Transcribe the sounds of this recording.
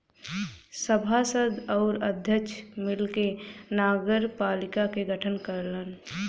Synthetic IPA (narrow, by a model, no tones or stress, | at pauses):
səbʱasəd̪ʱɔːɾəd̪ʱjəkt͡ʃʰmɪlkenaːɡəɾpaːlɪkakeɡəʈʰənkəɾlən